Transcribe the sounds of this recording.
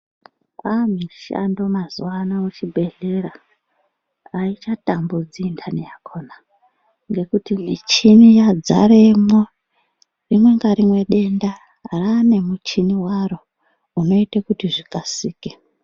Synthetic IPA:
kamiʃa̰ndo̞mazuwanaut͡ʃibʱe̞ɮeɾa | it͡ʃatambud͡zindʰanijakʰo̞na | ŋɡe̞kutimit͡ʃinijad͡za̰ɾemo | rimwe̞ŋɡaɾimwe̞ɗe̞nda | rane̞mut͡ʃiniwaro̞ | uno̞itekutiʐikasiːke

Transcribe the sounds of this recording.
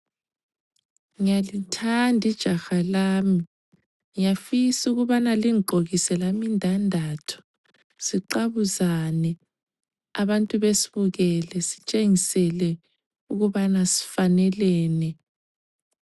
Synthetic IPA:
ŋijalitʰandʱid̥ʒ̥ʱaxalaːmi | ŋijafisuɣuβanaliŋǃʱoɣisɛlamindʱandʱatʰu̥ | siǃaβuzanɛ | aβantʼuβesiβuɣɛlɛsi̥t͡ʃʼeŋisɛlɛ | uɣuβanasi̥fanɛlɛːnɛ

